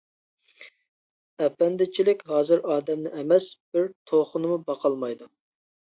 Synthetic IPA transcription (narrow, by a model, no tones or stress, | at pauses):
ɛpːɛnd̪ɪt͡ʃʰilɪkʲɦɑːzɨɾɑːd̪ɛmnɪɛmɛsb̥ɪɾt̪ʰoχʊnɨmubɑqʰɑlˠmɑjd̪u